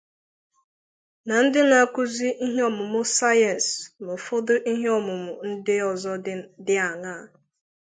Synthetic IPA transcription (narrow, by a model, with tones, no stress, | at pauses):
na˨n̩˦dɪ˦na˨˦kʊ˦zi˦ʔi˦ɦe˦ɔ˦mʊ˨mʊ˦sa˦ja˨nsmʊ˨fʊ˦dʊ˦ʔi˦ɦe˦ɔ˦mʊ˨mʊ˨n̩˦dɪ˦ɔ˨zɔ˦dɪ˦a˨ŋaː˦˨˦